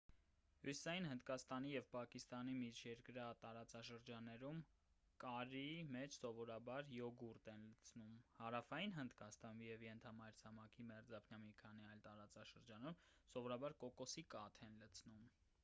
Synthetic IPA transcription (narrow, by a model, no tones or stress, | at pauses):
husi̥sɑjinhənd̪kɑst̪ɑnijɛvpɑkist̪ɑnimit͡ʃʰjɛɾkəɾɑt̪ɑɾɑt͡sɑʃəɾd͡ʒɑnːɛɾum | kɑɾimɛt͡ʃʰsɔvɔɾɑbɑɾjɔɡuɾt̪ɛnlət͡sʰnumhɑɾɑfɑjinɦənd̪kɑst̪ɑnijɛvjɛnt̪ʰɑmɑjɾt͡sʰɑmɑkʰimɛɾd͡zɑpʰnjɑmikʰɑniɑjlt̪ɑɾɑt͡sɑʃəɾd͡ʒɑnumsɔvɔɾɑbɑɾkɔkɔsikɑt̪ʰɛnlət͡sʰnum